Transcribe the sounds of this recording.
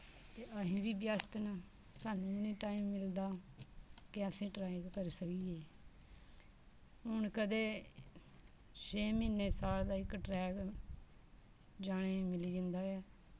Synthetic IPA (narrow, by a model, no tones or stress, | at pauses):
t̪eːʔəɦĩːʋiːbjaːst̪ən | saːnũːʊnĩːʈaːimːɪld̪aː | kɪəsĩːʈɾaːɪ̃ɡkəɾsəkiːeː | ɦʊɳkəd̪eː | t͡ʃʰeːmɪnːeːsaːld̪aːɪkʈɾɛːk | d͡ʒaːɽ̃eːmɪliːd͡ʒə̃nd̪aːɛː